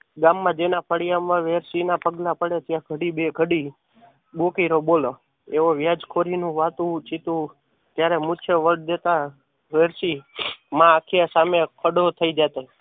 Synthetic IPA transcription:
ɡamːãd͡ʒenapʰəɽijamãʋeɾsinapəɡlapəɽet̪jaɡʱəɽibeɡʱəɽi | bokeɾobolo | eʋoʋjad͡ʒkʰoɾinũʋat̪ũt͡ʃit̪ũ | t̪jaɾemũt͡ʃʰeʋəɽd̪et̪a | ʋeɾsimãːkʰijasamekʰəɖot̪ʰəid͡ʒat̪o

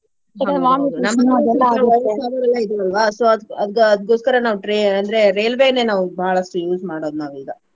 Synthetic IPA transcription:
eʋaːminɐmːɐɐd̪ɛlːaɐaːbɐɾɐlːaid̪uɐlʋaːsoːɐd̪ɐd̪ɡɐd̪̚ɡoːskɐɾɐnaːʋuʈɾeɐnd̪ɐɾe̞ɾe̞ːlʋeːne̞ːnaːʋubʱaːɭɐsʈujuːsmaːɽo̞ːd̪unaːʋiːɡ̪ɐ

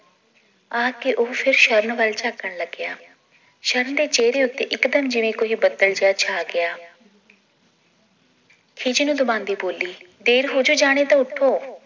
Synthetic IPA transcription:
aːkɪʔoːpʰɪɾʃəɾənʋəlt͡ʃaːkːəɳləɡɪjaː | ʃəɾənd̪eːt͡ʃeːɾeːʊt̪ːeːʔɪkd̪əmd͡ʒɪʋẽːkoːɦiːbəd̪əld͡ʒɪjaːt͡ʃʰaːɡɪjaː | kʰɪd͡ʒinũːd̪ʊbãːnd̪iːboːliː | d̪eːɾɦoːd͡ʒoːd͡ʒaːɽ̃eːt̪ãːʊʈʰːoː

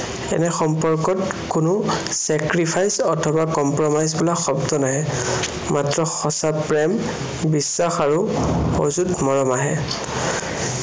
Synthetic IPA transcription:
ɛ̰nɛxɔmpɔɹkɔt | kʊnʊsɛkɹipʰajsɔtʰɔbakɔmpɹɔmajzbulaxɔbdɔnaɦɛ | matɹɔxɔsapɹɛm | bisːaxaɹuo̰zutmɔɹɔmaɦɛ

